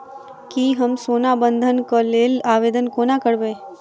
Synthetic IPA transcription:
kiɦəmsoːnabənd̪ʱənkəleːlaːʋeːd̪ənkonakəɽbeː

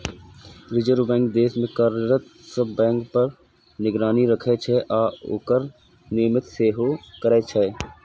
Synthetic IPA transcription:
ɾɪd͡ʒəɾbɛ̃ːŋk̚d̪eːsmẽkəɾɾət̪səbbɛ̃ːŋkpɐɾ | nɪɡɾaːniɾɐkʰet͡ʃʰɛʔaːʊ̰ːkəɾ | nɪːmɪt̪seːɦokɐɾɛːt͡ʃʰɛː

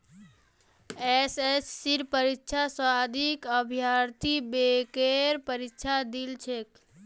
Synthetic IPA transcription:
esesːiɾpəɾikːt͡ʃʰaswad̪ʱikəbʱijaɾt̪ʰibekeɾpəɾikt͡ʃʰad̪ilt͡ʃʰek

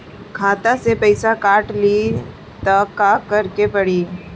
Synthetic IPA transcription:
kʰaːt̪asepɐɪsakaːʈli | t̪ɐkakɐɾkepɐɽiː

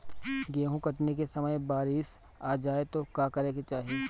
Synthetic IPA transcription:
ɡeːɦũkɐʈnekesɐməjbaːɾɪʃ | aːd͡ʒaːet̪okaːkɐɾeːket͡ʃaːɦi

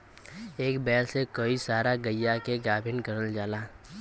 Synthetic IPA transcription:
eːkbɛːlsekəisaːɾaɡəjːakeɡaːbʱɪnkɐɾəld͡ʒaːlaː

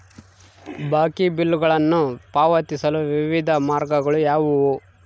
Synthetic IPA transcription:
baːkibilːuɡɐɭɐnːupaːʋɐt̪isɐluʋiʋid̪ʱɐmaːɾɡɐɡɐɭujaːʋuu

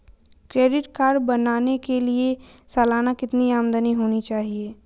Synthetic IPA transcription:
kɾeːɖɪʈkaːɾɖbɐnaːnekelie | sɛːlaːnakɪt̪niaːmd̪əniɦoːnit͡ʃaːɦieː

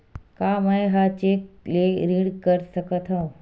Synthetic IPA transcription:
kaːməẽɦat͡ʃeːk̚leɾiɽkəɾsəkət̪ʰɦõː

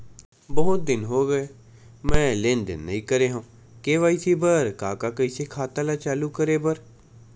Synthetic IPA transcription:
bəːʊt̪̚d̪ɪnɦoːɡəeː | mɛ̃ːleːnd̪ɪ̰nːə̰ĩːkəɾeːɦãː | keːʋaːiːsiːbəɾkaːkaːkəiːseːkʰaːt̪aːlaːt͡ʃaːluːkəɾeːbəɾ

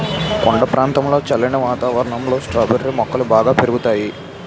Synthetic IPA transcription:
kɔɳɖɐpɾaːnt̪ɐmlo̞ːt͡ʃɐlːɐnɐʋaːt̪aːʋɐɾɐɳɐmlo̞ːsʈɾɐbeɾɾimɔkːɐlubaːɡaːpeɾuɡut̪aːji

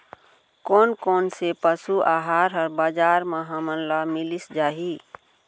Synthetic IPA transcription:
koːnkoːnsepəsuʔaɦaɾɦəɾbad͡ʒaːɾməɦəmənləmilisd͡ʒaːɦi

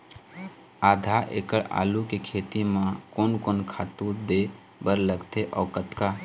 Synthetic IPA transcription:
aːd̪ʱaʔḛkəɭa̰ːlukekʰeːt̪imãkoːnkoːnkʰaːt̪ud̪e | bəɾləɡt̪eʔɔ̰ːkət̪ka

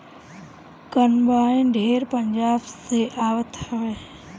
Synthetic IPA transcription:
kənbaːĩnɖʱeːɾpəɲd͡ʒaːbseʔaːʋət̪həʋeː

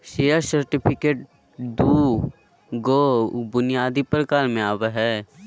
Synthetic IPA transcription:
ʃeːjaɾsɐɾʈɪpʰɪkeːʈ̚ | d̪uː | ɡobʊnijaːd̪ipɾəkaːlmẽaːweɦɛː

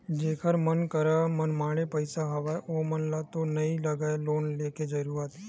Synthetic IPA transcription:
d͡ʒeːkʰəɾmənkəɾamənmaːɽ̃epəɪsaɦɐʋaːeʔoːmɐnlat̪onɐĩlɐɡaeloːnleːked͡ʒɐɾuːɾat̪ː

